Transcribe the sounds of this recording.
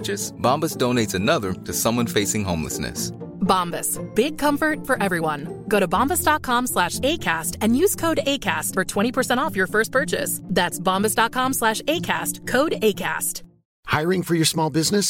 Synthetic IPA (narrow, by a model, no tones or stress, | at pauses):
t͡ʃɨsb̥ɑ̃mbɨsd̥õʊ̃neɪtsɨnʌðə˞ɾɨsʌ̃mwʌ̃nfeɪsɪ̃ŋɦõʊ̃mlə̰snɨ̰sbɑ̃mbɨsb̥ɪɡ̚kʰʌ̃mɱfə˞tfə˞ʔɛvɹiwʌ̃nɡ̥oʊɾəbɑ̃mbəsd̥ɑt̚kʰɑ̃mslæʃeɪkʰæstɨ̃njʉz̥kʰoʊɾeɪkʰæstfə˞tʰw̥ɛ̃ɾ̃ipʰə˞sɛ̃ɾ̃ɔfjə˞fɜ˞st̚pʰɜ˞t͡ʃɨ̰sðætsb̥ɑ̃mbɨsd̥ɑt̚kʰɑ̃mslæʃeɪkʰæstkʰoʊɾeɪkʰæ̰st | haɪɹɪ̃ŋfə˞jə˞smɔlˠbɪznɨs